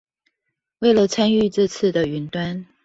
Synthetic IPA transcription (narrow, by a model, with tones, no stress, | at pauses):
we˥˩ɪlə˨t͡sʰa˥ny˥˧ʈ͡ʂɤ˥˧t͡sʰɹ̩˥˩d̪ə˩y˧˥nt̪wa˥n